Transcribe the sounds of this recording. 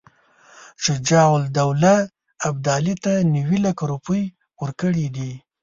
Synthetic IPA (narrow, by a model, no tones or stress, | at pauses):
t͡ʃɪd͡ʒɑwʊld̪awlaː | b̚d̪ɑlit̪aniwilakaɾupəj | wəɾkəɽid̪i